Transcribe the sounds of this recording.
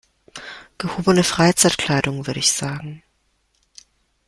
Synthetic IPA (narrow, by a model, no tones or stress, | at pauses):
ɡ̥əhoːbənəfʁ̥aɪt͡saɪtkʰl̥aɪɾʊŋvʏɐɾəɪçz̥aːɡŋ̩